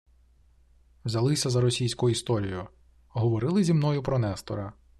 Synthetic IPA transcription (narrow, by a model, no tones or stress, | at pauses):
wzʲɐlˠɪsʲɐzɐɾɔsʲijsʲkʊjʊist̪ɔɾʲijʊ | ɦɔʋɔɾɪlˠɪzʲimnɔjʊpɾɔnɛst̪ɔ̰ɾɐ